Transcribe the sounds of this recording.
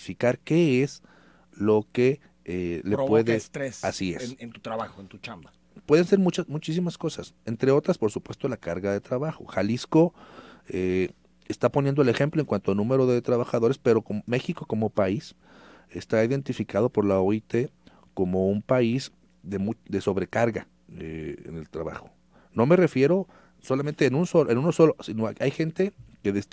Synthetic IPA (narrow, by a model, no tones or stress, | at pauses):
fikaɾke̞esz | lo̞ke̞ | elepweðest̪ɾesasiḛnt̪ut̪ɾaβaxoent̪ut͡ʃamba | pwe̞ðense̞ɾmut͡ʃasmut͡ʃis̬imasko̞sase̞nt̪ɾe̞o̞t̪ɾaspoɾsupwe̞st̪o̞lakaɾɣaðe̞t̪ɾaβaxo̞̰xalisko̞e | est̪aponjend̪oele̞xe̞mploeŋkwant̪oanũme̞ɾo̞ðet̪ɾaβaxaðo̞ɾe̞spe̞ɾo̞kome̞xiko̞ko̞mo̞pais | est̪aiðe̞nt̪ifikað̞o̞po̞ɾlaoit̪e̞ | ko̞mo̞umpaiz | ðe̞mud̪e̞so̞βɾe̞kaɾɣa | ḛḛne̞lt̪ɾaβa̰xo̞̥ | no̞me̞re̞fje̞ɾo̞ | so̞lament̪eːnũnsolʔenũnoso̞losinoʔajxe̞nt̪e̞ke̞ðes